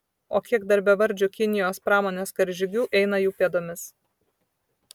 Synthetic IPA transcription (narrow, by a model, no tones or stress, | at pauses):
o̰ːkʲiɛɡd̪ɐɾʲbʲɛʋɐɾʲˑd͡ʒʲʊkʲɪnʲɪjoːspɾɑːmoːnʲeːskɐɾʲʒʲɪɡʲuːʔɛɪnɐjuːpʲeɛd̪oːmʲɪs